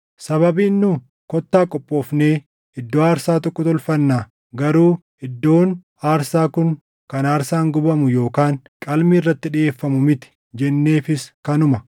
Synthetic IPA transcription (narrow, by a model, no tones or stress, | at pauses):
sɐβɐbiːnːu | kɔt̪ːaːkʼɔpʼːo̞ːfneː | ɪd̪ːoːaːɾsaːt̪ɔkːɔt̪ɔlfɐnːaː | ɡɐɾuː | ɪd̪ːo̞ːn | aːɾsaːkʊŋ | kɐnaːɾsaːŋɡʊbɐmʊjo̞ːkaːŋ | kʼɐlmiːrːɐt̪ːɪᶑɪʔe̞ːfːɐmʊmɪt̪ɪ̥ | d͡ʒɛnːe̞ːfɪskɐnʊmɐ